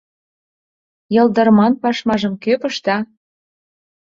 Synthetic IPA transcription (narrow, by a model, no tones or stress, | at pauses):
jɤ̆ld̪ɤ̆ɾmɑnpɑʃmɑʒɤ̆mkøpə̆ʃt̪ɑ